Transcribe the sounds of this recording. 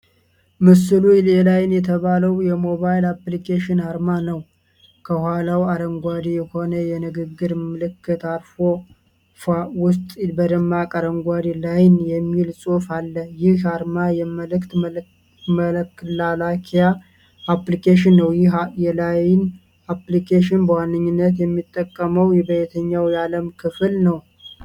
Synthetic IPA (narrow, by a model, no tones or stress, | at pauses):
mɨsɨlulɛlajɪnjɛt̪ʰəβaləwjɛmo̞βajlaplikʰʼeʃɪnaɾmanəw | kʰəhʷalawaɾəŋɡʷad̪ijɛho̞nəjɛnɨɡɨɡːɨɾmɨlɨkʰːɨt̪aɾfo̞ | fawʊst̪ʼbəd̪əmːakʼaɾəŋɡʷad̪ilajnjɛmːilsʼofalːəjɪhhaɾmajɛməlɨkt̪ | məlkːɨlalakʰijaː | plikʰeʃɪnːəwjɪhjɛlajɪn | aplikʰeʃɪnbəwanːɨɲːɪnːət̪jɛmːit̪ʼːəkʼːəməwjɛbəjɛt̪ʰəɲːawjaləmkʰɨfɨlnəw